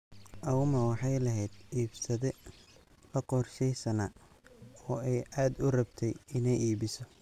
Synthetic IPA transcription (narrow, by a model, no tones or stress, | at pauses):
ʔɐʊmɐwɑħɑjlɐɦɛːd̪̥iːbsɐðɛ | lɐqɔrʃɛjsɐnɐ | ɔːɛjʔaːd̪ʊrɐbt̪ʰɛjɪnɛjiːβɪsɔ